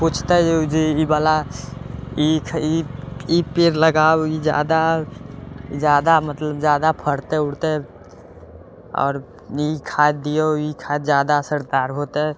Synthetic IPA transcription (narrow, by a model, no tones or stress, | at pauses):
pʊt͡ʃʰt̪eod͡ʒiibaːla | ikʰiipɪɾləɡaːoid͡ʒja̰ːd̪a | d͡ʒjaːd̪amət̪ləbd͡ʒjaːd̪apʰəɽt̪eʊɽt̪eɦɛ | ɔ̰ːɾ | ikʰaːt̪̚d̪ijoikʰaːt̪d͡ʒjaːd̪asəɾd̪aːɾɦoːt̪eɦɛ̃